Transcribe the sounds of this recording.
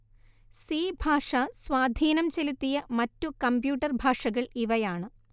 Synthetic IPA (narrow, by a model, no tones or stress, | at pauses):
siːbʱaːʂɐswaːd̪ʱiːnɐmt͡ɕelut̪ːijɐmɐtːukɐmbjuːʈːɐrbʱaːʂɐɣɐɭiʋɐjaːɳɨ